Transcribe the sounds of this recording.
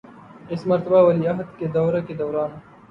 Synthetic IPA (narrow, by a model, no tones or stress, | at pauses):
ɪsmɐɾt̪ɐbaːwɐliɐɦɐd̪ked̪ɐwɾaked̪ɐwɾaːn